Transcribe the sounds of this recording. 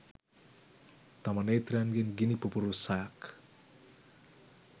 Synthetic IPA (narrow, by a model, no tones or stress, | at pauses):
t̪amɐnejt̪ranɡenɡinipupuɾusajak